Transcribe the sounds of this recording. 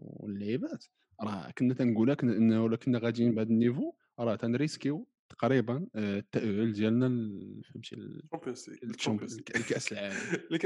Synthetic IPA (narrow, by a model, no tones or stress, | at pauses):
lːʕibæt̪ | ɾˤɑkənːæt̪ænɡulækʔnːwlækənːæɣæd̪inbʕad̪ənːivo | ɾˤɑt̪ænɾəskiw | t̪ɑ̥qɾibənt̪ːæʔʕəld̪jælnæfəmt̪ḭl | lkæʔsəlʕaləmlk